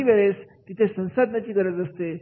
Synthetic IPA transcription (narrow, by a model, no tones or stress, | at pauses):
iʋeɭest̪it̪ʰesə̃w̃sad̪ʱnat͡ɕiːkəɾəd͡zəst̪e